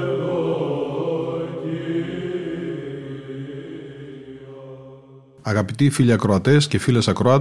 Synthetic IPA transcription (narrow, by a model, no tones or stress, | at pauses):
ɐɣɐpit̪ifiʎiɐkɾoɐt̪e̞scefile̞sɐkɾoɐt̪